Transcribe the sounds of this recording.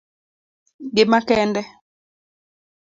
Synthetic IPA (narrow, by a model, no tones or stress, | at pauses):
ɡɪmakɛndɛ